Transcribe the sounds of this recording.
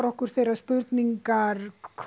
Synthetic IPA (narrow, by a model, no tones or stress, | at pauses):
ɾɔhkʏɾ̥θejɾaðspʏɾt̪niŋkaɾkʰ